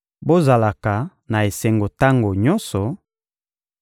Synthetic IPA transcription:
bo˦za˨la˨ka˨ | na˨e˨sɛ˨ŋɡo˨ta˦ŋɡo˨ɲɔ˦nsɔ˨

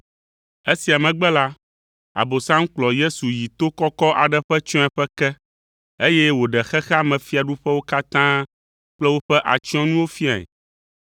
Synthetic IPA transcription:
e˦si˨a˨mɛ̃˨ɡ͡bɛ˦la˦ | a̰˨bo˨sã˦ŋ̩˦k͡plɔ˨je˦su˨ji˨t̪o˦kɔ˦kɔ˦ʔa̰˨ɖɛ˦ɸɛ˦t͡ʃɔ̃˦ɛ˨ɸɛ˦kɛ˦ | e˦jɛ˦wo˨ɖɛ˨xɛ˦xɛ˦a˦mɛ̃˨fi˦a˨ɖu˦ɸɛ˦wo˦ka˦t̪ã˦ | k͡plɛ˦wo˦ɸɛ˦ʔa̰˨t͡ɕi˦ɔ̃˦nũ˦wo˦fi˦a˨ɛ̰˨

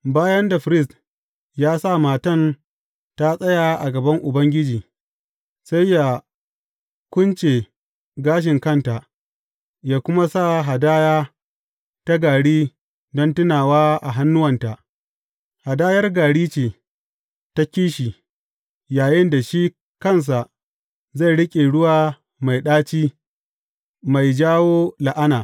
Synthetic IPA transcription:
baː˦jɐ˦nda˨ɸɾɪ˦st | jaː˦sa˦˨maː˨tɐ˦˨n | ta˦sʼɐ˦jaː˨ʔa˨ɡɐ˨bɐ˦ŋʔʊ˨bɐ˦ŋɡʲɪ˦d͡ʒiː˨ | sa˦jja˨ | kʷʊ˦nt͡ʃe˨ | ɡaː˦ʃ̬ɪ˨ŋkɐ˦˨nta˨ʔ | jaː˦kʷʊ˦ma˦sa˦˨ɦa˨daː˦jaː˦ | ta˦ɡaː˨ɽiː˦ | dɔ˦ntʊ˦naː˨waː˦ʔa˨ɦa˦nːʊ˦wɐ˨nta˨ʔ | ha˨daː˦jɐ˦rɡaː˨ɽiː˦t͡ʃeː˨ | ta˦kʲiː˦ʃiː˨ | jaː˨jɪ˦nda˨ʃi˦ | kɐ˦˨ns̬a˨ʔ | za˦˨jɽɪ˦kʲʼe˨ɽʊ˦waː˦ | ma˨jɗaː˦t͡ʃiː˦ | ma˨jd͡ʒaː˦woː˦la˨ʔa˦naː˨

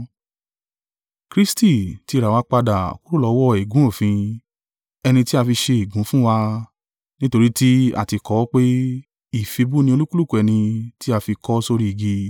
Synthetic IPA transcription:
kɾi˦sti˦˨ti˧ɾa˨wa˧k͡pa˧da˨ko˦ɾo˦lɔ˨˧˦wɔ˦˨i˨ɡũ˨˦o˦˨fĩ˧ | ɛ˧nĩ˧ti˦a˧fi˧ʃe˧i˨ɡũ˨˦fũ˦wa˧ | nĩ˦to˧ɾi˦ti˦a̰˨ti˧kɔ˨˦k͡pe˦ | i˦˨fi˧bu˦nĩ˧o˧lu˦ku˦lu˦ku˨˧ɛ˧nĩ˧ti˦a˧fi˧kɔ˦so˧ɾi˦i˨ɡi˧

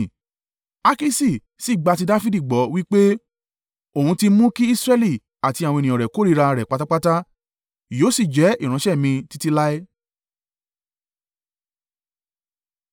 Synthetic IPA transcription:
a˦ki˦si˦˨ | si˦˨ɡ͡ba˧t̬i˧da˦fi˦di˦˨ɡ͡bɔ˨˦wi˦k͡pe˦ | o˨hũ˧ti˧mũ˦ki˦i˦sɾɛ˦li˦˨ | a˨ti˧ã˨ɔ̃˧nĩ˨ɔ̃˨ɾɛ˨ko˨˦ɾi˦˧ɾa˧ɾɛ˨k͡pa˦ta˦k͡pa˦ta˦ | joː˨˦si˦˨d͡ʒɛ˨˦i˦˨ɾ̃ã˨˧˦ʃɛ˦˨mĩ˧ti˧˦ti˧la˦ɛ˦

